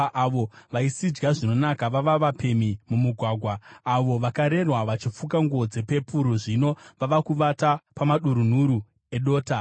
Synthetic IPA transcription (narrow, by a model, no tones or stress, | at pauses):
ʔʋo̞ʋaisid͡ʒɡaʐino̞nakaʋaʋaʋape̞mimumuɡʱwaɡʱwaːʋo̞ʋakaɾe̞rwaʋat͡ʃifukaŋɡuod͡ze̞pe̞puɾoʐino̞ʋaʋakuʋatapamaɗuɾun̤uɾu | e̞ɗo̞ːta